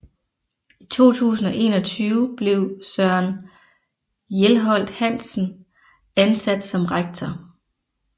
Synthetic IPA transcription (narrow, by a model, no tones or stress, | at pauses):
it͡sʰo̝̰ːt͡sʰṵːsn̩ɒ̽ʔe̝ːnɒ̽t͡sʰyːʊb̥le̝ʊsɶɐn | jelɦɒ̽l̰d̥hæn̰sn̩ | ænsæd̥sɒ̽mʁaɡ̥̚t͡sʰɒ